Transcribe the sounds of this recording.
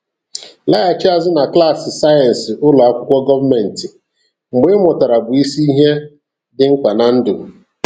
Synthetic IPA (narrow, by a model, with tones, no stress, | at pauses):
la˦a˨t͡ʃi˦a˦zɪ˦na˨kla˦˨sɪ˨sa˦ja˨n̩˨sɪ˨ʔʊ˦lɔ˨a˦kʷʊ˦kʷɔ˦ɡɔ˦va˦me˨n̩˨tɪ˨ | ŋ͡m̩˨ɡ͡be˦mɔ˨ta˨ɾa˨bʊ˨i˦si˦i˦ɦe˦ | dɪ˦ŋ̩˦kʷa˨na˨n̩˦dʊ˨